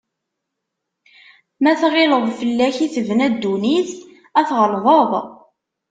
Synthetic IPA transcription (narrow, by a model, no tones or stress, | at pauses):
mæθʁɪləðˤfəlːæçiθəvnæd̪ːuniθ | æθʁəlðˤəðˤ